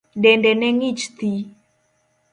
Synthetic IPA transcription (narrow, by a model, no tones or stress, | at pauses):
dɛndɛnɛŋit͡ʃt̪i